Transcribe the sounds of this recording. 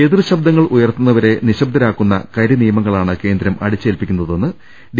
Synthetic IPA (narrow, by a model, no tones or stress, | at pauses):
eðrɨɕɐbd̪ɐŋːɐɭujɐrt̪unːɐʋɐɾe̞niɕɐb̚d̪ʱɐɾaːkːunːɐ̰kɐɾinijɐmɐŋːɐɭaːɳɨke̞ːnd̪ɾɐmɐ̰ɽit͡ɕːɨelpikʲːunːɐðo̞nːɨ | ɖ